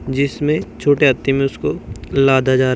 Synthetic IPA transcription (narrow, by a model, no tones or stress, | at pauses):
d͡ʒɪsmẽt͡ʃʰoːʈeɐt̪ːemẽʊskolaːd̪ad͡ʒaːɾ